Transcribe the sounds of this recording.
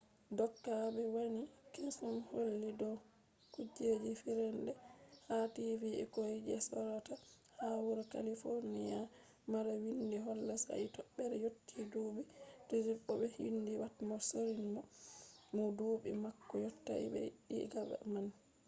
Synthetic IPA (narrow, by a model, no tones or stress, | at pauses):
dɔkːabɛwanikesumholːidɔ | kud͡ʒed͡ʒifiɾɛndɛhativiɛ̰kojid͡ʒɛsɔɾɔta | hawuɾaka̰lifoɾnija | maɾawindiɦɔlːasa̰itɔɓːɛɾɛjotːiduːbidɔd͡ʒiɓɔbɛhindiwatmɔsoɾinmɔmɔduːɓḭmakːɔjɔtːa̰ḭbɛ̰ɗḭɡaba̰mani